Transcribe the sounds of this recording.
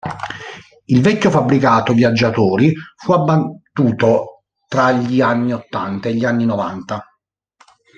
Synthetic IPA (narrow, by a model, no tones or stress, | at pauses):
ilvɛkːofabːɾikaːt̪ovjad͡ʒːat̪oːɾifuabːat̪ːuːt̪o | t̪ɾaʎianːiot̪ːa̰nt̪aeʎːianːinova̰nt̪a